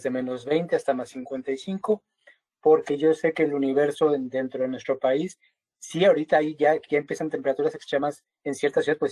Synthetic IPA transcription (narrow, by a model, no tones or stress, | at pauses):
zðe̞mẽ̞no̞zβe̞jnt̪e̞ast̪amasːiŋkwe̞nt̪ajsiŋko̞ | po̞ɾke̞ʝo̞se̞ke̞ːluniβ̞e̞ɾso̞end̪e̞nt̪ɾo̞ðenwest̪ɾo̞paisː | iaoɾit̪aajʝaʝaempjesant̪empeɾat̪uɾasekst̪ɾemas | ensje̞ɾt̪as̬juðaðpwes